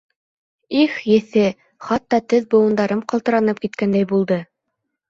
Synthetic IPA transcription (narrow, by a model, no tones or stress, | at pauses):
iχjɘ̆θɘ | χɑt̪ːɑt̪ɵðbɤ̆wɤ̆nd̪ɑɾɤmqɑlˠt̪ɤ̆ɾɑnɤp̚kit̪̚kænd̪æjbulˠd̪ɤ